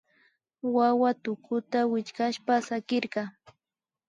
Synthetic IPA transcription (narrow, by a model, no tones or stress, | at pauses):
wawat̪ʊkʊt̪awɪt͡ʃkaʃpasakɪɾɢɑ